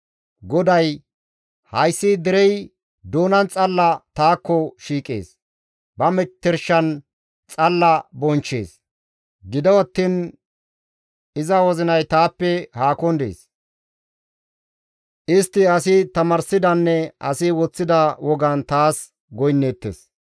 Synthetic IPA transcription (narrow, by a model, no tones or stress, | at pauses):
ɡɔd̪ɐj | hɐjsːid̪ɪɾɛj | d̪oːnɐnt͡sʼɐlːɐt̪aːkːɔʃiːkʼḛːs | bɐmɛt̪ːɛɾʃɐn | t͡sʼɐlːɐbɔnt͡ʃːḛːs | ɡɪd̪ɐwɐt̪ːin | ɪzɐwɔzɪnɐjt̪aːpːɛhaːkɔnd̪ḛːs | ʔɪst̪ːɪɐsɪt̪ɐmɐɾsɪd̪ɐnːɛʔɐsɪwɔt͡sːɪd̪ɐwɔɡɐnt̪aːs | ɡɔjnːeːt̪ːḛːs